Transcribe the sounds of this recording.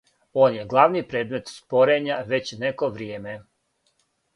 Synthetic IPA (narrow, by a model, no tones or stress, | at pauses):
o̞ːnje̞ɡlˠaʋnipɾeːd̪me̞t̪spo̞ɾe̞ɲaʋe̞t͡ɕneko̞ʋɾijeːme̞